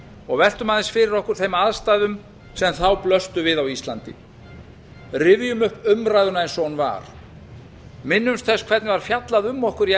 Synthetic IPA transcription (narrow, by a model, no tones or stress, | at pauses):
ɔɣvɛl̥t̪ʏmaðɪnsfɪɾɪɾɔhkʏɾ̥θejmaðst̪aːðʏm | sɛmθawplœst̪ʏvɪðawist̪lant̪ɪ̰ | rɪvjʏmʏhpʏmɾaːjðʏnaɛnsɔnva̰ɾ̥ | mɪnːʏmst̪θɛskʰvɛt̪nɪvaɾ̥fjat̪laðʏmːɔhkʏɾj